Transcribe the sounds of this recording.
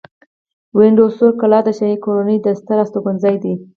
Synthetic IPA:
wɪɳɖosokalɑd̪əʃamikoɾanəjd̪əst̪aɾɑst̪oɡʊnzɑjd̪i

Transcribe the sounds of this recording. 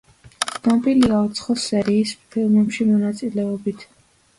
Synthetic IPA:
nampʼiliaut̪sʰχɔsɛɾiːspʰilˠmɛpʃimɔnat̪sʼilɛɔbit̪ʰ

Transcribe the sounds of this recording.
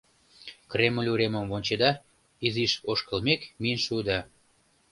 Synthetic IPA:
kreməlʲuɾeməmvonʲt͡ɕed̪ɑ | iziʃoʃkəlmekmiənʃuud̪ɑ

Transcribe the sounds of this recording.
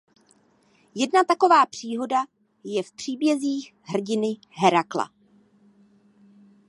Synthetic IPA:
jɛdnat̪ako̞vaːpr̝̥iːɦo̞da | jɛfpr̝̥iːbjɛziːx | ɦr̩ɟɪnɪ | ɦɛɾakla̰

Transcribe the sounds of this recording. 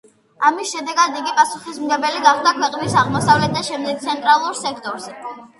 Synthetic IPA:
amisʃɛd̪ɛɡad̪iɡipʼasuχismɡɛbɛliɡaχd̪akʰwɛqʼnisaʁmɔsavlɛt̪̚ʰːaʃɛmd̪ɛɡ̚t̪sʰɛnt̪ʼɾalˠuɾsɛkʰt̪ʼɔɾzɛ

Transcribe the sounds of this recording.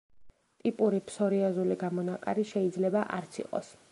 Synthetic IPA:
t̪ʼipʼuɾipʰsɔɾiazuliɡamɔnakʼa̰ɾiʃɛid̪zlɛbaʔa̰ɾt̪sʰḭqʼɔ̰s

